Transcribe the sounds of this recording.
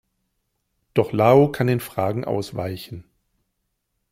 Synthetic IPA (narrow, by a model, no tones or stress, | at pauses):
d̥ɔχlaːoːkʰandeːnfʁ̥aːɡŋ̩ʔa̰ʊsv̥aɪçn̩